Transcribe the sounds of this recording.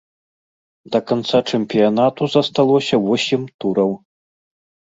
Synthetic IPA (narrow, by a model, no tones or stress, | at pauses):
d̪ɐkant̪sat͡ʂɛmʲpʲijanat̪uzɐst̪alˠɔsʲɐvɔsʲimt̪uɾɐw